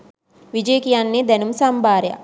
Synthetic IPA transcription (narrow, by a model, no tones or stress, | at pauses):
ʋid͡ʒejkijanːeːd̪ɛnumsambʱaːɾeja̰